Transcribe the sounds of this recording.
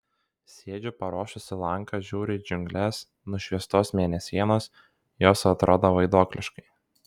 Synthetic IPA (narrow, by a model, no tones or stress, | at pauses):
sʲeːd͡ʒʲʊpɐɾoːʃʲʊsʲɪlˠɐŋˑkɑʒʲuːɾʲɪd͡ʒʲʊŋʲɡlʲɛs | nʊʃʲʋʲiɛst̪oːsmʲeːnʲɛsʲiɛnoːs | joːsɐt̪ɾoːd̪oːʋɐɪd̪oːklʲɪʃkɐɪ